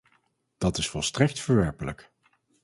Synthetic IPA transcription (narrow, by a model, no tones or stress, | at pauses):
d̥ɑtɪsfɔlˠstrɛk̚tfəɹʋɛɹpələ̰k